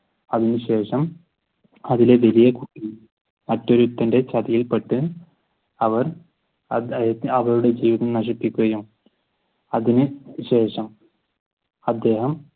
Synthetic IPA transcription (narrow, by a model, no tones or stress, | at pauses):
ɐðinɨɕe̞ːʂɐm | ɐðile̞ʋɐlijɐkuʈːi | mɐtːo̞ɾut̪ːɐnde̞t͡ɕɐðɐjilpeʈːɨ | ɐʋɐr | ɐɐʋɐɾuɽe̞d͡ʑiːʋiðɐmnɐʂ̬ipːikʲːuɣɐjum | ɐðinɨɕe̞ːʂɐm | ɐd̪ːe̞ːɦɐm